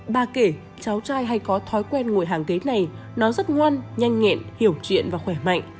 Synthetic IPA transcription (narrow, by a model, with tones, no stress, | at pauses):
ɓaː˨˩ke˧˩ | t͡ɕa˨˦wt͡ɕaː˧jɦa˧jkɔ˨˦t̪ʰɔ˨˦jkwɛ˧nŋu˧˩əjɦaː˨˩ŋke˨˦na˨˩j | nɔ˨˦zə˦˥t̚ŋwaː˧nɲa˧jŋ̟ŋɛ̰˧˨nhi˧˩əwt͡ɕḭ˧˨ənvaː˨˩xwɛ˧˩ma̰˧˨jŋ̟